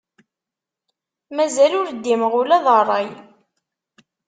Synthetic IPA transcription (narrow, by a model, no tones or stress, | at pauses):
mæzælʊɾd̪ːiməʁʊlæðˤərˤːɑj